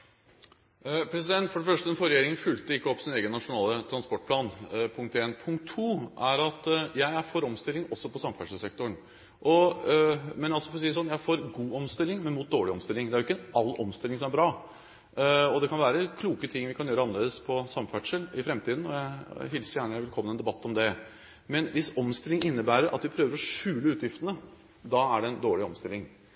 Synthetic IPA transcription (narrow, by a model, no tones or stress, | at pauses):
pʰɾɛsɪd̪ɛnt̪fɔɖɛfœʂʈəmɛnfɔɾɛjeːɾɪŋənfʉlt̪əɪkːəɔpːsɪneːɡənːɑʂʊnɑːlət̪ʰɾɑnspɔʈ̚ːpʰlɑːnpʰʊŋkt̪eːnpʰʊŋkt̪ʰːuːʔæɾɑt̪jæɪæɾfoːɾɔmst̪ɪlːɪŋɔsːɔpʰɔsɑmfæʈʂəlsɛk̚t̪ʊɳ | ʔɔ | mɛnjɑlsɔfɔɾsiːəsɔnːjæɪfoːɾɡuːɔmst̪ɪlːɪŋmɛnmuːt̪̚d̪oːɭɪɔmst̪ɪlːɪŋd̪ɛæɾjʊɪkːəɛnɑlːɔ̰mst̪ɪlːɪŋsɔmæɾbɾɑː | ɔd̪ɛkʰɑnʋæːɾəkʰluːkət̪ʰɪŋːʋɪkʰɑnjøːɾəɑnəleːd̪əspʰɔsɑmːfæʈʂəlɪfɾɛmt̪ʰiːd̪n̩ɔjæɪɦɪlsəjæːɳəɛɾʋɛlkʰɔmːnɛnd̪ɛbɑt̪ːɔmd̪ɛ | mɛnʋɪsɔmst̪ɪlːɪŋɪnːəbæːɾəɾʔɑ̰t̪ʋɪpʰɾøːʋəɾɔʂʉːləʉːt̪jɪft̪ənə | d̪ɑæɖɛɛnd̪oːɭɪɔmst̪ɪlɪŋ